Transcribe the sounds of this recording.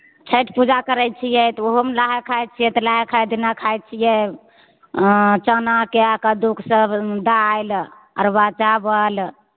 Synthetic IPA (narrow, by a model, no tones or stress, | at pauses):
t͡ʃʰəʈpud͡ʒakəɾɛj̚t͡ʃʰijɛt̪ɔoɦomelaɦɛkʰːajt̪̚t͡ʃʰijɛt̪ɔlaɦɛkʰajd̪ʱinakʰajt̪̚t͡ʃʰijɛ | t͡ʃənakeakad̪ukʰsəbd̪ajl | ə̰ɾbat͡ʃabəl